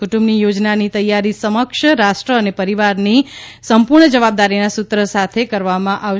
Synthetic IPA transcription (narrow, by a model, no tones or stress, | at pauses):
kuʈũmbnijod͡ʒnanit̪əjːaɾisəməkʃəɾaʃʈɾəːnepəɾiʋaɾnisəmpuɾɳəd͡ʒəʋab̚d̪aɾinasut̪ɾəsat̪ʰekəɾʋamãʔaʋ